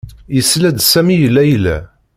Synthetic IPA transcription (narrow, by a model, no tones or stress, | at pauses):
jəslæd̪sæmijəlːæjlæ̰